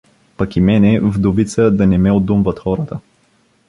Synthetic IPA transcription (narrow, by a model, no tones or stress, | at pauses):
pɐkimɛnɛvd̪ovit̪səd̪ɐnɛmɛod̪umvət̪xɔɾət̪ə